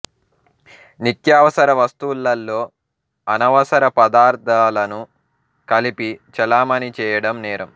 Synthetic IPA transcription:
nit̪jaːʋɐsɐɾɐʋɐst̪ulːɐlːoː | ɐnɐʋɐsɐɾɐpɐd̪aːɾt̪ʰaːlɐnu | kɐlipit͡ʃɐlaːmɐnit͡ʃɛːjɐɽɐmnɛːɾɐm

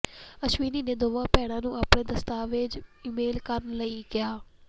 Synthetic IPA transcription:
əʃʋiːniːneːd̪oːʋãːpɛːɽ̃ãːnũːaːpɽeːd̪əst̪aːʋɪd͡ʒɪmeːlkəɾnləiːkɪjaː

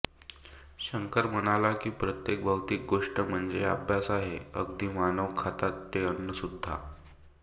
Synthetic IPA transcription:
ɕəŋkəɾmənalakiːpɾət̪jek̚bʱəwt̪iːk̚ɡoʂʈəm̤əɳd͡zeabʱjasaɦeə̰ɡd̪iːmanəʋkʰat̪at̪ːeənːəsud̪ʱːa̰

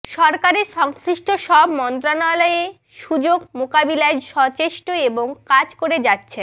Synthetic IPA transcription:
ʃɔɾkaɾeɾʃɔŋsɾiʃʈoʃɔbmɔnt̪ɾanalɔe | ʃud͡ʑoɡmokabilaeʃɔt͡ɕeʃʈoeboŋkad͡ʑkoɾed͡ʑatːɕʰe

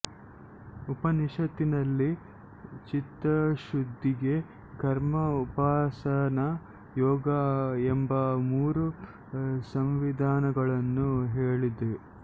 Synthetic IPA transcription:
upɐniʂɐt̪inɐlːi | t͡ʃit̪ɾɐʃud̪ʱːiɡe̞ | kɐɾmɐupaːsɐnɐ | jɔːɡɐembɐmuːɾu | sɐmʋid̪ʱaːnɐɡɐɭɐnːuɦeːɭid̪e

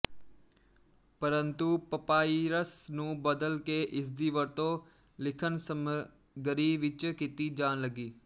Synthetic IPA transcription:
pəɾə̃nt̪upəpaːiɾəsnũːbəd̪əlkeʔɪs̬d̪iːʋəɾt̪õ | lɪkʰənsəm | ɡəɾiːʋɪt͡ʃkit̪id͡ʒaːnləɡiː

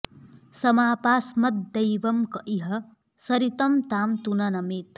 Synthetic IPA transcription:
sɐmaːpaːsmɐt̪̚d̪ɐjʋɐmkɐʔiɦɐ | sɐɾit̪ɐmt̪aːmt̪unɐnɐmit̪

